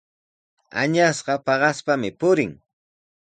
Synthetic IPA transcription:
a̰ɲasɢɑpɑɢɑspamɪpʊɾɪŋ

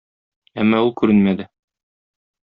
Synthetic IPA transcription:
æmːɑulˠkʉɾɘnmæd̪ɘ

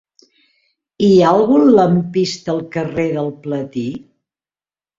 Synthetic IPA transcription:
ialˠɣunləmpist̪əlˠkəreðəlˠplət̪i

